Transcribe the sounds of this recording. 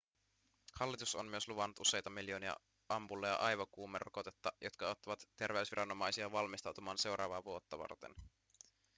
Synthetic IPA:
hɑlːit̪usommyø̞sluʋɑnːut̪use̞jt̪ɑmiljo̞ːniɑ̰ | ɑmpulːɑjɑ̰ʔɑjʋɑkuːmerʔoko̞t̪et̪ːɑjo̞t̪kɑot̪ːɑʋɑt̪ːe̞rʋeysʋiɾʔɑno̞mɑjsiɑʋɑlmist̪ɑwt̪umɑːnse̞wɾʔɑ̰ːʋɑːʋuo̞t̪ːɑʋɑ̰rt̪ḛn

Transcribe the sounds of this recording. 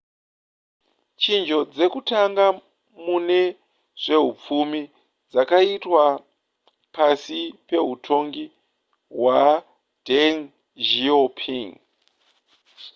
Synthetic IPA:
t͡ʃind͡ʒo̞d͡ze̞kutaŋɡa | mune̞ | ʐ̥e̞ɦup͡fumi | d͡zakaitwa | pasipe̞ɦutʰo̞ŋɡi | ɦwa | den | ʒiopʰiŋ

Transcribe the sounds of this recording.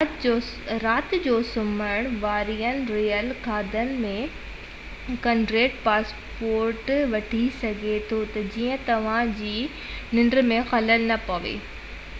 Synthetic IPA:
ɾaːt̪ɪd͡ʑoːsʊməɽ̃ʋaːɾijənɪ̆ɾijəlkaːd̪ənɪ̆mẽ | kɐ̃ɳɖɾeːʈpaːs | poːɾʈʋɐʈʰisɐɡʱet̪ʰot̪ɐd͡ʑiːə̃t̪ɐʋ̤ãd͡ʑiː | nɪ̃ɳɖɾmẽxɐləlnɐpɐʋḛː

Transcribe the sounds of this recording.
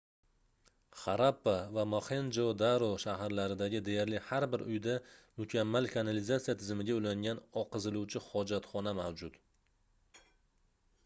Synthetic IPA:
χaɾapːavamoχend͡ʒod̪aɾoʃaɦaɾlaɾɪd̪aɡʲɪd̪e̞jaɾlɪhaɾbɪɾʊ̰jd̪a | mʊkʲʰamːalkʰanalɪzat̪sijat̪ʰɪzɪmɪɡʲaʊlaŋɡʲanɒqʰɨzɪluwt͡ʃʰɪhɒd͡ʒat̪χɒnamawd͡ʒʊt̪

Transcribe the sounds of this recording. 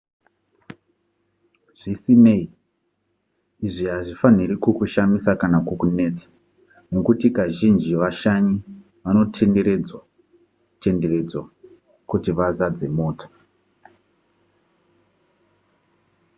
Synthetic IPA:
ʐ̥isine̞i | iʐiɦaʐifaniɾikukuʃamisakanakokune̞ːt͡sḁ | nokutikaʒind͡ʒiʋaʃaɲi | ʋano̞tʰe̞nde̞ɾed͡zwa | te̞ndere̞d͡zwa | kutiʋazad͡ze̞moːtʰḁ

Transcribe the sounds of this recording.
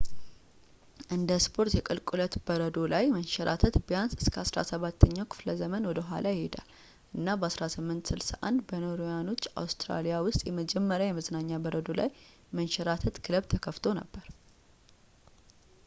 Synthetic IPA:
ʔɨnd̪əspʰo̞ɾt̪jɛkʼɨlkʼulət̪bəɾəd̪o̞lajmənʃɛɾʔa̰t̪ʰət̪bəjansɨskʰəasɾa̰səβat̪ʰːəɲːawkʰɨ̥fləzəmənwɔd̪əɦʷa̰lajɪhed̪a̰l | ʔɨnːabəasɾasɨmːɨnt̪sɨlsaʔa̰nd̪bənoɾojano̞t͡ʃʼːa̰wst̪ɾa̰lijawʊst̪ʼjɛməd͡ʒɛmːəɾjawjɛməznaɲːabəɾəd̪o̞la̰j | mənʃɛɾat̪ʰət̪kʰɨləβt̪ʰəkʰəft̪ʰo̞nə̰bːəɾ

